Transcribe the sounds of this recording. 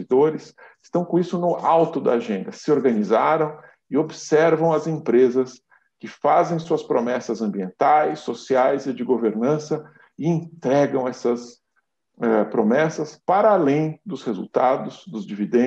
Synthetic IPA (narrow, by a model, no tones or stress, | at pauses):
d̪oɾɪsɪst̪ɐ̃w̃kõisʊnʊawt̪ʊd̪ɐ̰aʒẽnd̪ɐsɪoɾɡɐnizaɾɐ̃w̃ | ɪobɪsɛɾvɐ̃w̃ɐzẽpɾezɐs | kɪfazẽj̃suɐspɾomɛsɐzɐ̃mbiẽnt̪ajsosiajzɪd͡ʒɪɡoveɾnɐ̃sɐ | ɪẽt̪ɾɛɡɐ̃w̃ɛsɐs | ɛpɾomɛsɐspaɾaːlẽj̃d̪ʊshezṵwt̪ad̪ʊzd̪ʊzd͡ʒivid̪ẽ